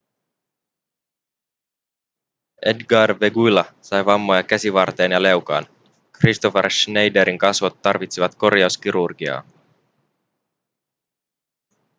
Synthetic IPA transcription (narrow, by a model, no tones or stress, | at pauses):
e̞dɡɑrʋeɡujlɑsɑjʋɑmːojɑkæsiʋɑrt̪e̞ːnjɑle̞wkɑ̰ːn | krist̪oferʃnejdeɾiŋkɑsʋot̪ːɑrʋit̪siʋɑt̪ko̞rjɑuskiɾurɡ̥iɑ̰ː